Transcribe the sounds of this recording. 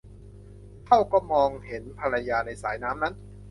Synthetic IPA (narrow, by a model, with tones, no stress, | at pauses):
t̪ʰa˥˩wkɔː˥˩mɔː˧ŋhe˩˦npʰa˧ɾa˧jaː˧na˧jsaː˩˦jnaː˦˥mna˦˥n